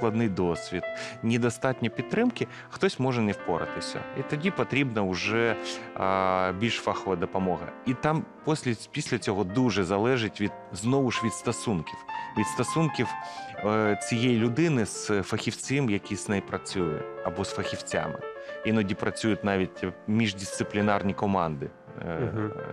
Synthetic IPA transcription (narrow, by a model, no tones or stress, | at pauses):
klˠɐd̪nɪjd̪ɔsʲʋʲit̪nʲɪd̪ɐst̪ɑtʲnʲɔpʲit̪ːɾɪmkɪ | xt̪ɔsʲmɔʒɛnɛfpɔɾɐ̰t̪ɪsʲɐ̰it̪ɐdʲipɐt̪ɾʲibnɐʊʒɛ | bʲilʲʃfaxɔʋɐd̪ɔpɐmɔɦɐ̰it̪ɑmpɔsʲlʲɛpʲisʲlʲɐt͡sʲɔɦɔd̪uʒɛzɐlˠɛʒɪtʲʋʲid̪̚znɔʋʊʃʋʲid̪st̪ɐsunkʲiwʋʲit̪st̪ɐsunkʲiw | t͡sʲijejilʲʊd̪ɪnɪsfɐxʲiwt͡sʲɪmjɐkʲisnɛjpɾɐt͡sʲujʊ̰ɐbɔsfɐxʲiwt͡sʲa̰mɪ̰inɔdʲipɾɐt͡sʲujʊtʲnɑʋʲitʲmʲiʐdʲist̪sɨplʲɪnɑrnʲikɔmɑnd̪ɪ